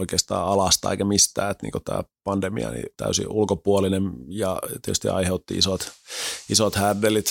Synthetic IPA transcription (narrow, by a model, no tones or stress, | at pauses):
oikeːst̪ɑ̰ːɑlɑst̪ɑ̰eikæmist̪æːt̪nḭːŋkot̪æ̰ːpɑndemḭɑ̰nḭt̪æ̰ysḭʔulkopuolinemjɑt̪ietys̆t̪ḭɑ̰iheut̪ːiisot̪isot̪hærdelit̪